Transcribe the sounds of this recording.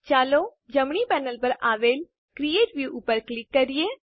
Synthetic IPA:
t͡ʃaːloː | d͡ʒɐmɳipɛːnəlpəɾaːʋeːl | kɾieːʈʋjuːʔʊpːəɾklɪkːɐɾieː

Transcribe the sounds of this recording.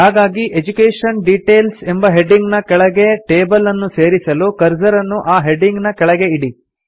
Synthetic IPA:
haːɡaːɡiʔed͡ʒukeːʂɐnɖiʈe̞ːlsembɐɦeɖiŋɡnɐkɛɭɐɡeʈeːbɐlɐnːuse̞ːɾisɐlukɐɾd͡ʒɐɾɐnːuʔaːɦeɖiŋɡnɐkɛɭɐɡe̞iɽi

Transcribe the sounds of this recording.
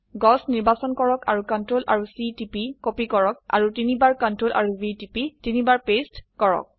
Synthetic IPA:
ɡɔsniɹbasɔnkɔɹɔka̰ɹukɔntɹolʔa̰ɹusitipikopikɔɹɔk̚a̰ɹutinibaɹkɔntɹolʔa̰ɹubitipitinibaɹpestkɔɹɔ̰k̚

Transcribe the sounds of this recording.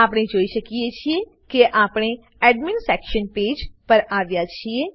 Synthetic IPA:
aːpɽ̃ed͡ʒoːiʃəkiet͡ʃʰie | keʔaːpɽ̃e | ɛɖmɪnsɛkʃənpeːd͡ʒpəɾaːʋjat͡ʃʰie

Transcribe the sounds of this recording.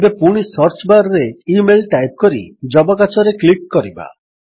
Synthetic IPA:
bepuɽ̃isɔɾt͡ʃbaɾɔɾeimelʈajp̚kɔɾid͡ʒɔbɔk̬at͡ʃɔɾeklikːɔɾiba̰

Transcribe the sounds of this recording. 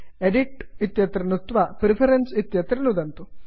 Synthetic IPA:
eɖiʈit̪jɐt̪ɾɐnut̪ʋɐpɾipʰɐɾensit̪jɐt̪ɾɐnud̪ɐnt̪u

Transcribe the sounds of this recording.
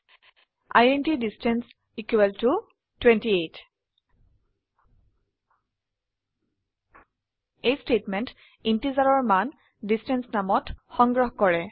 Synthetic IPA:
a̰jentidistɛns | ikwɛltu | twɛntiet | ejstetmɛnt | intizaɹɔɹman | distɛnsnamɔtxɔŋɡɹɔɦkɔɹɛ

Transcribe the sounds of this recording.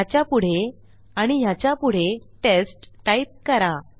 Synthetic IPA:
jat͡ɕjapuɽ̤e | aɽ̃ijat͡ɕjapuɽ̤eʈesʈːajp̚kəɾa

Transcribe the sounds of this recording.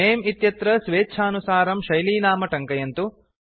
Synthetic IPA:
eːmit̪jɐt̪ɾɐsʋeːt͡ʃʰaːnusaːɾɐmʃɐjliːnaːmɐʈɐŋkɐjɐnt̪u

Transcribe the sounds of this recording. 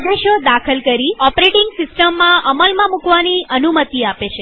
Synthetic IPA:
d̪ɾəʃjod̪akʰəlkəɾiɔpɾeʈɪŋɡsɪsʈəmːãʔəməlmãmũkʋaniənumət̪iapet͡ʃʰe

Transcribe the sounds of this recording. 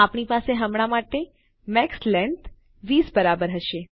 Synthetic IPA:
apɳipaseɦəmɽ̃amaʈe | mɛkslɛɳt | ʋisbəɾabəɾɦəʃe

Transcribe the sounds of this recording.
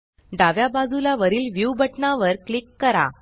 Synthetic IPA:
ɖaʋjabad͡zulaʋəɾiːlʋjubʱəʈnaʋəɾklikːəɾa̰

